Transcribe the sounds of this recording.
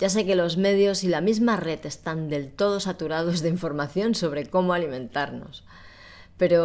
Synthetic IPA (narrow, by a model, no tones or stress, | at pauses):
ɟ͡ʝas̬e̞ke̞lo̞zme̞ðjo̞silamizmare̞t̪e̞st̪and̪e̞lt̪o̞ð̞o̞sat̪uɾað̞o̞zðeiɱfo̞ɾmaθjo̞nso̞β̞ɾe̞ko̞moalimẽ̞nt̪aɾno̞̰s | pe̞ɾo̞